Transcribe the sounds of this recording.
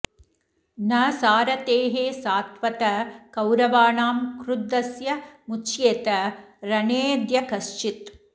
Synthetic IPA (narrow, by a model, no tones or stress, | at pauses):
nɐsaːɾɐt̪eːɦeːsaːt̪ʋɐt̪ɐkɐwɾɐʋaːɳaːmkɾud̪ːɐsjɐmut͡ʃjeːt̪ɐɾɐneːd̪jɐkɐst͡ʃit̪